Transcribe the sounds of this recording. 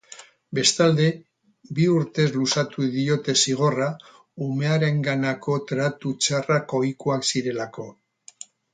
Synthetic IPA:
be̞st̪ald̪e̞ | biuɾt̪e̞zlusat̪uðio̞t̪e̞siɣ̞o̞ra | ume̞aɾe̞ŋɡanako̞t̪ɾat̪ut͡ʃarako̞jkuaksiɾe̞lako̞

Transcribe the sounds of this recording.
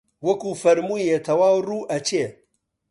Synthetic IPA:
wɐkufɐɾmujet̪ʰɐwaːwɾuʔɐt͡ʃe

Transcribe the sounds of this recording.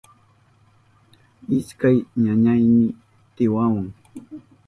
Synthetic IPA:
ɪskajɲaɲajnɪ | t̪ɪwawaŋ

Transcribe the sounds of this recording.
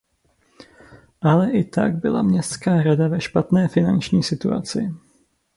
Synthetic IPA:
ʔalɛʔɪt̪a̰ɡ̚bɪla̰mɲɛst̪skaːɾadavɛʃpat̪nɛːfɪnant͡ʃɲiːsɪt̪ṵa̰t͡sɪ̰

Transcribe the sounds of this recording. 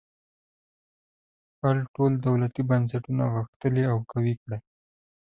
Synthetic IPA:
palʈold̪awlat̪ibans̬aʈuna̰ɣəxt̪əliawkawikɽa

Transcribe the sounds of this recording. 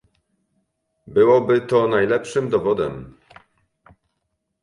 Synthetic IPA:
bɘwɔbɘt̪ɔnajlɛpʂɘmd̪ɔvɔd̪ɛm

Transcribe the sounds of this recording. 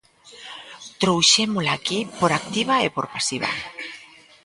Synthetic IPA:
t̪ɾowʃemolakipoɾak̚t̪iβaepoɾpasiβa̰

